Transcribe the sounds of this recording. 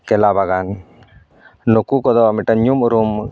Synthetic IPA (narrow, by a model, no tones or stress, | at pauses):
kɛlabaɡan | nukukɔd̪ɔmɛʈanɲumuɾum